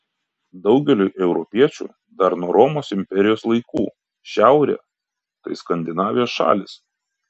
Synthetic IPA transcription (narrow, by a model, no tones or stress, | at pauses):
d̪ɒʊɡʲɛlʲuʔɛʊɾɔpʲiɛt͡ʃʲṵː | d̪ɐɾnuɔɾɔmoːsɪmʲpʲɛɾʲɪjoːslˠɐɪkuː | ʃʲæˑʊɾʲɛ̰ː | t̪ɐɪskɐnʲd̪ʲɪnɑːʋʲɪjoːsʃɑ̰ːlʲɪs